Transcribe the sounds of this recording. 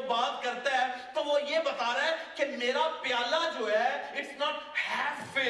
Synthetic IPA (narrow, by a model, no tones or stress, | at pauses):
baːt̪̚kɐɾt̪aɦɛːt̪oʋojebɐt̪aːɾaɦɛkemeːɾapjaːlad͡ʒoːɦɛɪʈsnɔːʈhɛːsfɪ